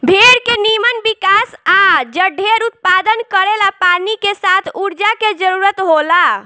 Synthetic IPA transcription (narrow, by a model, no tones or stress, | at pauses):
bʱeɾkenimənbikasad͡ʒəɖʱeɾut̪̚pad̪ənkəɾelapanikesat̪ʰuɾd͡ʒaked͡ʒəɾuɾət̪ɦola